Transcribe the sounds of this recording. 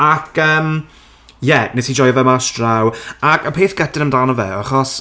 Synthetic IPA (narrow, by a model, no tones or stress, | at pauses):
akʰəːm | jɛnesid͡ʒɔjɔvɛmastrawakʰəpʰeːθɡ̥ɛtɪnəmdanɔvɛ̰aχɔs